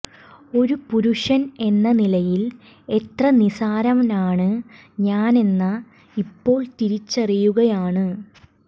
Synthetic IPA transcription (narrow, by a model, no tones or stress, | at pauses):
o̞ɾupuɾuʂɐne̞nːɐnilɐjil | e̞t̪rɐnisaːɾɐmnaːɳɨ | ɲaːne̞nːɐ | ipːo̞ːɭt̪iɾit͡ɕːɐrijuɣɐjaːɳɨ